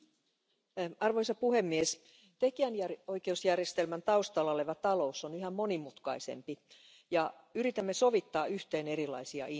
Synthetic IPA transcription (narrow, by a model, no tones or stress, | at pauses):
ɑrʋo̞jsɑpuɦe̞mːies | t̪e̞kiænjæo̞jke̞usjærjest̪elmænt̪ɑust̪ɑlɑoleʋæt̪ɑlo̞usːonyɦæmmo̞nimut̪kɑisḛmpi | jɑ | yɾit̪æmːe̞so̞ʋit̪ːɑːyht̪e̞ːne̞ɾilɑ̰jsiɑ̰ʔi